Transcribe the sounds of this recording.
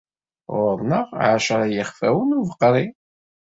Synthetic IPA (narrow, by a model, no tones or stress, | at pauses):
ʊɾˤnəʁʕaʃɾˤjəχfæwənuvəqːɾˤi